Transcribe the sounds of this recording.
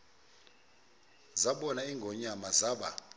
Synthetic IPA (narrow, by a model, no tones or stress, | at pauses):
zaɓɔnaiŋɡʱɔɲamazaːɓa̰